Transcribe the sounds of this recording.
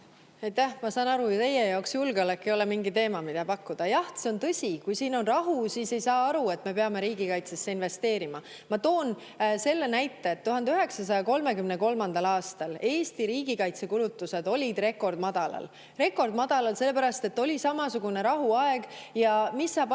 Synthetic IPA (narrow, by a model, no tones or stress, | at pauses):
ɑjt̪ːæhmɑsɑːnɑɾujut̪e̞jejɑoksjulɡ̥eolekːejo̞lemiŋɡit̪e̞ːmɑmid̪ɑpɑkːud̪̥ɑjɑht̪seont̪ɤ̞sʲikujsiːno̞nrɑɦusiːse̞jsɑːɑɾue̞t̪me̞peɑme̞ɾiːɡ̥ikɑjt̪se̞sːeinve̞st̪e̞ːɾimɑ | mɑt̪o̞ːn | se̞lːenæjt̪ˑːe̞ːt̪ːuɦɑnd̪yɦe̞ksɑs̬ɑjɑko̞lme̞kymne̞ko̞lmɑnd̪ɑlɑːst̪ɑle̞ːst̪iɾiːɡ̥ikɑjt̪se̞kulut̪ːˑused̪o̞lʲid̪̥re̞kːˑo̞rd̪mɑd̪̥ɑlɑ̰l | re̞kːˑo̞rd̪mɑd̪̥ɑlɑlse̞lːe̞pæɾɑst̪e̞t̪ːo̞lʲisɑmɑsuɡ̥une̞ɾɑɦuɑe̞ɡ̥jɑmisːɑːp